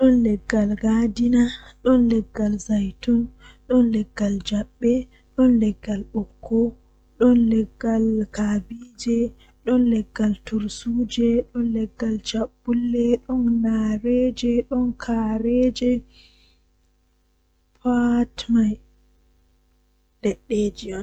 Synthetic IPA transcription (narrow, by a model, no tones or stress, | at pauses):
ɗɔnlɛɡːalɡadinaɗɔnlɛɡːalzajtɔnɗɔnlɛɡːald͡ʒaɓːɛ | ɗɔnlɛɡːalʔɔkʰːɔ | ɗɔnlɛɡːalkabid͡ʒɛ | ɗɔnlɛɡːaltuɾsud͡ʒɛɗɔnlɛɡːald͡ʒabːulːɛɗɔnnaɾɛd͡ʒɛɗɔnkʰaɾɛd͡ʒɛ | pʰatmaj | ɗɛɗːed͡ʒiɔn